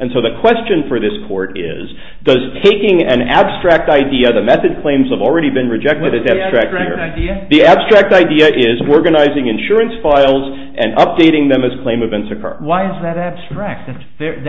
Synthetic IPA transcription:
ʔɨ̃nsoʊðɨkʰw̥ɛst͡ʃɨ̃nfə˞ðɪskʰɔɹɾɪ̰z | dʌz̥tʰeɪkɪ̃ŋɨ̰̃næ̰b̥stɹ̥æk̚taɪdiɨðɨmɛθɨd̚kʰl̥ẽɪ̃mz̥əvl̩ˠɹɛɾibɨ̃nɹɨd͡ʒɛk̚tɨɾɨzæ̥ɹ̥æk̚ɪ̰ɹðiæb̥stɹ̥æk̚taɪdiɨʔɪzɔɹɡɨnaɪzɪ̃ŋɨ̃nʃʊɹɨ̃nsfaɪlˠz | ʔɨ̃nʌp̚d̥eɪɾɪ̃ŋðɨ̃mɨz̥kʰl̥ẽɪ̃mɨvɛ̃ntsɨkʰɜ̰˞waɪɨzðɨɾæb̥stɹ̥æk̚t̚ðæt

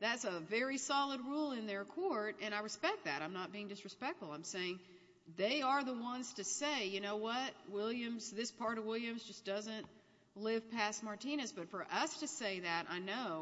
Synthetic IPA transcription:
ðætsəvɛɹisɑlˠəd̚ɹulˠɪ̃nðə˞kʰɔɹɾɨ̃ɾ̃aɪɹɨspɛk̪̚ðɨ̰ɾãɪ̃mnət̚b̥iɪ̃ŋdɨsɹɨspɛk̚tfl̩ˠãɪ̃mseɪɪ̃ŋ | ðeɪə˞ðəwʌ̃nz̥tʰɨseɪjɨnoʊwʌt̚wɪlˠjɨ̃mzðɪspʰɑɹɾʌvwɪlˠjɨ̃mzd͡ʒʌsd̥ʌzɨ̃nʔ | lɪv̥pʰæst̚mɑɹtʰĩñɨzb̥ʌtfə˞ʔʌstʰɨseɪðɨɾa̰ɪnoʊ

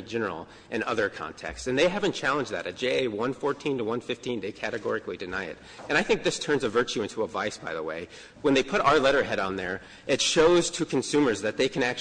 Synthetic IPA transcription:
d͡ʒɛnə̰˞l̩ˠ | ʔɨ̃nʌðə˞kʰɑ̰̃ntʰɛ̰kstsɨ̃nðeɪɦævɨ̃nt͡ʃʰælˠə̃nd͡ʒðɨ̰ɾɨt̚d̥ʒ̥eɪeɪwʌ̃nfɔɹtʰĩntʰəwʌ̃nfɪftʰĩnðeɪkʰæɾɨɡɔ̰ɹɨklidɨnaɪɨ̰ɾ̚ | ɨ̃ñaɪθɪ̃ŋk̚ðɪstʰɜ̃˞nzɨvɜ˞t͡ʃʉɪ̃ntʰuəvaɪsb̥aɪðəwḛɪ | wə̃nðeɪpʰʊɾaʊə˞lɛɾə˞ɦɛɾn̩ðə̰˞ | ɪtʃoʊz̥tʰɨkʰɨ̃n̩sʉ̃mə˞zðɨt̪̚ðeɪkʰɨ̃ñæk̚t͡ʃ

